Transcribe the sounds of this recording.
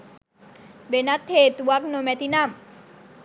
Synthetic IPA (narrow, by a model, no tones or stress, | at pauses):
benat̪ʰːet̪uwaknomɛt̪inam